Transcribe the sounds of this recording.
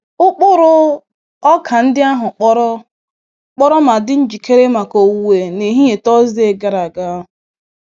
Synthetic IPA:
ʊ˦k͡pʊ˦ɾʊ˦ | ɔ˦kʰa˨n̩˦dɪ˦a˦ɦʊ˨k͡pɔ˦ɾɔ˦ | k͡pɔ˦ɾɔ˦ma˨dɪ˦n̩˦d͡ʒi˨ke˦ɾe˦ma˨ko˨wu˨we˨ne˨˦ɦi˦e˨tɔ˦ze˨ɡa˦ɾa˨ɡa˦ɦʊ˨

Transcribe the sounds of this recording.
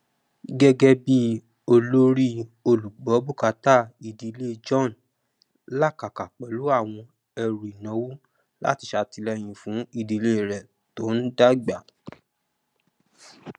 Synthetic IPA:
ɡɛ˦ɡɛ˧bi˦ | o˧lo˦ɾi˦o˧lu˨ɡ͡bɔ˨˦bu˦˨ka˧˦ta˦˨i˧˨di˧˦le˦d͡ʒɔ̃˦˨n˨ | la˦˨ka˨ka˨k͡pɛ˨lu˨˦a˦˨w̃ɔ̃˧ | ɛ˧ɾu˨i˨nɔ̃˨˦wu˦ | la̰˦ti˧ʃa˧ti˧lɛ˧j̃ĩ˨fũ˨˦i˦˧˨di˧le˦˨ɾɛ˨ | to˨˦n̩˦da˦ɡ͡ba˨

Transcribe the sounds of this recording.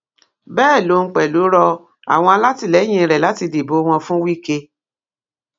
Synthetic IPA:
bɛː˦˨lo˨˦˧k͡pɛ˨lo˨˦ɾɔ˧ | a̰˨w̃ɔ̃˧a˧la˦ti˧˨lɛ˨˦j̃ĩ˧ɾɛ˨la˨˦ti˧de˨bo˨˦w̃ɔ̃˧fũ˦wi˦˨ke˧

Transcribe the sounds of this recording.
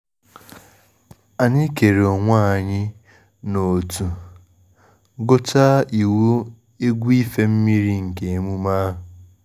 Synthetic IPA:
a˨ɲi˦ke˨ɾe˨o˨ŋʷa˦a˨ɲɪ˦ | no˨tu˨ | ɡo˦ta˦i˨wo˦ | e˦ɡʷu˦i˦fe˦m̩˦mi˦ɾi˦ŋ̩˨ke˨e˨mu˦ma˦ɦʊ˨

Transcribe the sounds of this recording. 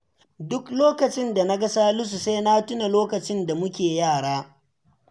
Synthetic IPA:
dʊ˦kloː˦kɐ˨t͡ʃɪ˦nda˨na˦ɡɐ˦saː˦lʊ˦s̬u˨seː˦na˦tʊ˦na˨loː˦kɐ˨t͡ʃɪ˦nda˨mʊ˦kʲeː˨jaː˦˨ɽaː˦

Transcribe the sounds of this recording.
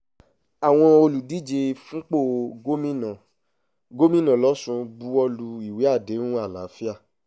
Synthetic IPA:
a˨w̃ɔ̃˧o˧lu˨di˦d͡ʒe˧fũ˦k͡po˦˨ɡo˦mĩ˦nã˨ | ɡo˦mĩ˦˨nã˨lɔ˨˦sũ˧bu˧˦ɔ˧lu˧i˨we˨˦a˦˨de˨˦nũ˦a˦˨la˨˦fi˦a˦˨

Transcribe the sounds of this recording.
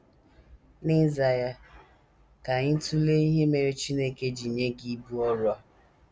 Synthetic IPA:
nɪ˦za˨ja˦ | ka˨ɲɪ˦tu˦le˦i˦ɦe˦me˨ɾe˦t͡ʃi˦ne˦ke˨d͡ʒi˨ɲe˦ɡi˦bu˦ɔ˦ɾʊ˦a˦

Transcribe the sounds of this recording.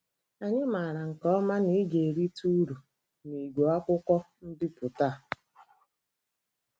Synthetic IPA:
a˨ɲɪ˦ma˨ɾa˨ŋ̩˨kɔ˦ma˦ni˨˦ɡe˨ɾi˦tu˦ɾu˨ | ni˨ɡʷo˨˦a˦kʷʊ˦kʷɔ˦ | n̩˦dɪ˦pʊ˨ta˦˨

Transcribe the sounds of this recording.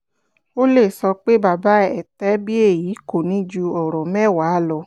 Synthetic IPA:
o˦le˦˨sɔ˧k͡pe˦ba˧˨ba˨˦ɛ˦˨tɛ˦bi˦e˦˨ji˨˦ko˨nĩ˨˦d͡ʒu˧ɔ˨ɾɔ˨mɛ̃˦˨wa˨˦lɔ˧

